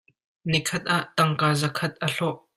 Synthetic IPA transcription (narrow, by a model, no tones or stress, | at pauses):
nikʰɐt̪̚ʔaʔt̪ɐŋkaːzɐkʰɐt̪̚ʔɐɬɔʔ